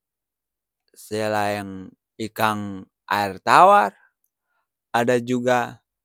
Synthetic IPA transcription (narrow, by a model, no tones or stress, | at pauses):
sɛlajaŋ | ikaŋ | ʔa̰irt̪awar | adad͡ʒuɡa